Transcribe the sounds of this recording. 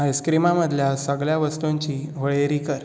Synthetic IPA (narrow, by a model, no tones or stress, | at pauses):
ɦajskɾimaməd̪ʱljasəɡɭjaʋəst̪oɲt͡ɕiːʋəɭeɾikəɾ